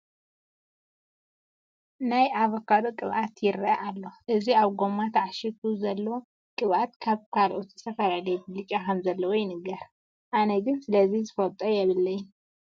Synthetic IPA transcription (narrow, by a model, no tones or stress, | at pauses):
najʔaβɐkʰad̪okʼɨβʔat̪jɪɾʔalːo̞ʔɨziaβɡo̞mːat̪ʰaʕaʃit̪ʰuzɐlːɐwo | kʼɨβʔat̪kʰaβkʰalʔot̪ʰi̥sʰɐfɐlalɐjbɨlɨt͡ʃʼakʰɐmzɐlːɐwojɪnɨɡɐɾ | ʔanɐɡɨnsɨlɐzizɨfɐt̪ʼɐjɛβɨlːɐjɪn